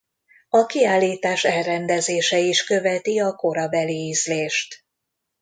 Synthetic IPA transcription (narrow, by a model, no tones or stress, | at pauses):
ɒkiaːlːiːt̪aːʃɛlrɛnd̪ɛzeːʃɛiʃkø̞vɛt̪iɒko̞ɾɒbɛliyzleːʃt̪